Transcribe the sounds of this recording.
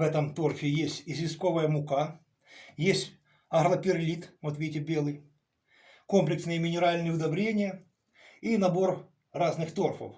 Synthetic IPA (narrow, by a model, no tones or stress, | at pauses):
vɛt̪əmt̪o̞rfʲɪjesʲtʲɪzʲvʲɪsko̞vəjəmʊka | jesʲtʲ | ɐɣlˠɐpʲɪrlʲit̪mɐt̪ʋʲetʲɪbʲelˠɨj | ko̞mplʲɪksnɨjəmʲɪnʲɪɾalʲnɨjʊd̪ɐbɾʲenʲɪjə | inɐbo̞r | raznɨxt̪o̞rfə̰f